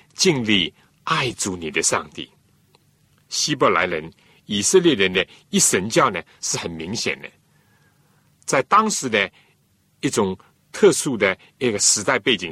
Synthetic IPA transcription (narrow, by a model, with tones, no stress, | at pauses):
t͡ɕi˥˧ŋli˥˧ | a˥˩ɪt͡su˧˥ni˨˩d̪ə˦ʂɑ̰˥˧ŋt̪ḭ˥˩ | ɕi˥pɔ˧˨˩la̰˧˥ɪlə˧˦n | i˨˩sə˥˧ljɛ˥˩ɻə˧˦nd̪ə˧i˥˩ʂə˧˥nt͡ɕjɑ˥˩ʊnə˨˩ʂɻ̩˥˩xə˨˩nmi˧˥ŋɕjɛ̰˨˩nd̪ə̰˦ | t͡sa˥˩ɪt̪ɑ˥ŋʂɻ̩˧˦d̪ə˧ | i˥˩t͡sʊ˨˥ŋ | t̪ʰɤ˥˧ʂu˥˩d̪ə˩ | i˥˩ɡə˩ʂɻ̩˧˥t̪a˥˧ɪpe˥˩ɪt͡ɕi˨